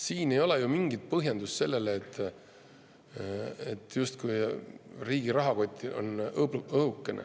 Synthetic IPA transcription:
siːne̞jo̞lɛjumiŋɡ̥it̪̚pɤɦjɑnd̪̥ust̪se̞lːe̞leːt̪ː | et̪ːˑjust̪kujriːɡ̥iɾɑɦɑko̞t̪ʲːˑiʔo̞̰nɤɦukːˑenʔḛ

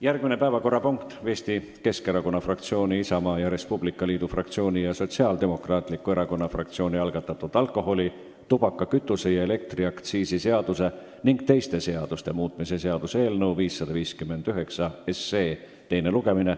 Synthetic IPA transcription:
jærɡ̥minepæevɑko̞rːɑpuŋkt̪ve̞ːst̪i | ke̞ske̞ɾɑko̞nːɑfrɑk̚t̪sio̞ːnʲiisɑmɑːjɑɾe̞spub̥likːˑɑliːd̪̥ufrɑkt̪sio̞ːnʲijɑso̞t̪siɑːld̪̥e̞mo̞krɑːt̪likːue̞ɾɑko̞nːɑfrɑk̚t̪sio̞ːnʲiɑlɡ̥ɑt̪ːˑɑt̪ːˑud̪̥ɑlkːˑo̞ɦo̞lʲi | t̪ub̥ɑkːˑɑkyt̪ːˑuse̞jɑe̞le̞k̚t̪riɑkt̪siːsise̞ɑd̪̥use̞ | niŋɡt̪e̞jst̪e̞se̞ɑd̪̥ust̪e̞muːt̪ˑmise̞se̞ɑd̪̥use̞ːlnɤwviːsːɑd̪̥ɑviːskymːe̞nd̪̥yɦe̞ksɑeseː | t̪e̞jne̞luɡe̞mine

